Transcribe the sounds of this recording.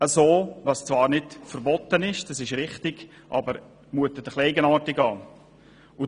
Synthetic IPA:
əsoːvɑst͡svɑːɾnɪtfəɾbɔt̪ənɪʃd̥ɑsɪʃɾɪχtɪɡ̥ | ʔɑ̰bəɾ | muətədəχlɛɪɡənɑːtɪɡɑː | ʊ

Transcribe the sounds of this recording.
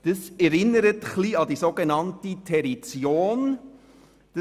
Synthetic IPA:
d̥əsɛɾɪnːəɾətχliɑdisoɡenɑntitʰɛɾit͡sjoːn | d̥ə

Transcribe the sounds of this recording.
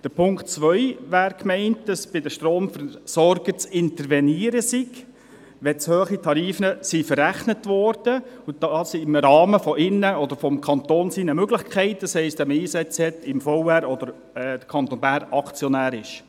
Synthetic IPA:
d̥əɾpʰʊŋktt͡sʋœʏʋæːɾkmɛɪnt̚d̥ɑsb̥ɪdəʃtroːmfəsɔɾɡ̥ət͡sɪntəɾʋɛniːəɾəsiɡ | ʋɛt͡shøːχitʰɑɾiːfnəsifəɾæχnətʋɔɾd̥əud̥ɑsimɾɑːməfɔʔɪnːəɔdəɾfɔmkʰɑnt̪oːnsiːnəmøɡlɪχkʰɛɪtəshɛɪsd̥ɛmiːsɛt͡shɛtɪmfɔʊæɾɔdəɾ | d̥əkʰɑnt̪onbæːɾɑkt͡sjɔnæːɾɪʃ

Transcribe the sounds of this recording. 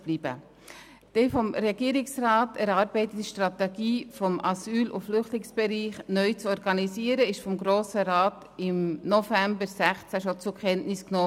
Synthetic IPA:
b̥liːb̥ə̰ | d̥ɛfɔmɾɛɡiəɾɪksrɑːtɛɾɑːɾbɛɪtətiʃtrɑtɛɡ̥iːfɔmʔɑsyːlʊ̰flʏχtlɪŋsb̥ɛɾiːχnœʏt͡sɔɾɡ̥ɑnisiːəɾəɪʃfɔmɡɾoːsəɾɑːt | ɪmnofæmbəɾsæχt͡sæʃot͡sʊkχɛnnɪsknɔː

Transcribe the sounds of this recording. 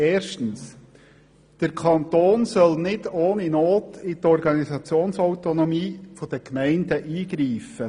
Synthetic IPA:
ɛːɾʃtən̩s | d̥əɾkʰχɑnt̪oːnsœlnɪdoːninoːtɪtɔɾɡɑnisɑt͡sjoːnsɔwt̪onɔmiːfɔd̥əkmɛɪndəʔiːɡ̥ɾiːfə

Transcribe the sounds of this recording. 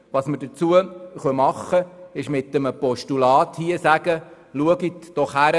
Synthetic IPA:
ʋɑːsməɾdət͡suəχœmɑχːəɪʃmɪt̪əməpɔʃtulɑːt̪hiəsæɡə | luəɡitd̥ɔχhæɾə

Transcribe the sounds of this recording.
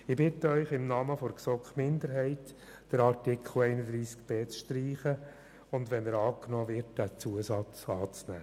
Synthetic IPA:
ɪbɪtəœʏχɪmnɑməfoɾksɔkχmɪnd̪əɾɦɛɪt | d̥əɾɑɾtɪkχl̩ɛɪnəd̪ɾiːskb̥eːt͡sʃtriːχə | ʊndʋɛnəɾɑːknɔːʋɪɾtdæt͡suəsɑt͡sɑːt͡snæ̰ː

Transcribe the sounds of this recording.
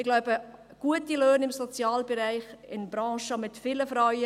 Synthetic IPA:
ɪɡlaʊbə | ɡ̥uətiløːnɪmsot͡sjɑːlbɛɾɛɪχɪnb̥ɾɑ̃ːʃəmɪtfɪləfɾɑɥə

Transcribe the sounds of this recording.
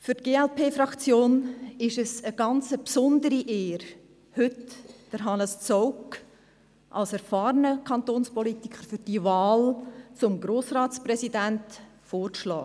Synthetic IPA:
fʏɾtɡ̥eːɛlpʰeːfɾɑkt͡sjoːnɪʃəsəɡ̥ɑnt͡səpsɔʊndəɾiʔeːɾ | hɵtd̥əɾɦɑnəst͡sɔʊk | ʔɑ̰lsɛɾfɑːɾənəkʰɑnt̪oːnspɔlitikχəɾfʏɾd̥ivɑːlt͡sʊmɡɾoːsrɑːtt͡sprɛsidæntfoːɾʃlɑ̰ː

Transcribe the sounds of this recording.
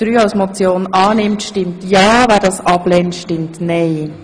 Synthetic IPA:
ɾyːaʊsmot͡sjoːnɑːnɪmtʃtɪmtjɑːvæːɾdɑːsɑblɛːntʃtɪmtnɛɪ

